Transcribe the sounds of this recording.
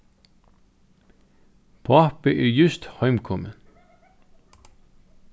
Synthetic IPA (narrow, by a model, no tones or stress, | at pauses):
pʰɑpəʔeɹjʉst̪hɑʏmkʰɔmən